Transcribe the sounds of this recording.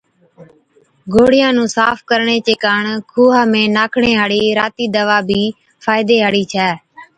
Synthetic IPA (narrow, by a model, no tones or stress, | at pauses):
ɡʱoːɽɪjãːnũːsaːpʰkəɾɳeːt͡ʃeːkaːɳkʰuːɦaːmẽːnaːkʰɳeːɦaɽiːɾaːt̪iːd̪əʋaːbʱiː | fʰaːɪd̪eːɦaɽiːt͡ʃʰɛː